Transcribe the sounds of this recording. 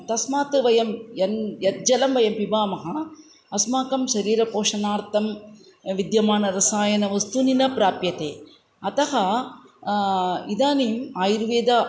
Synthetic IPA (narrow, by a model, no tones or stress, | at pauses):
t̪ɐsmaːt̪ɨʋɐjɐmjɐnjɐt̪̚d͡ʒɐlɐmʋɐjɐmpibaːmɐɦɐ | ɐsmaːkɐmʃɐɾiːɾɐpoːʂɐnaːɾt̪ɐm | ʋid̪jɐmaːnɐɾɐsaːjɐnɐʋɐst̪uninɐpɾaːpjɐt̪eː | ɐt̪ɐɦɐ | id̪aːniːmaːjiɾʋeːd̪ɐ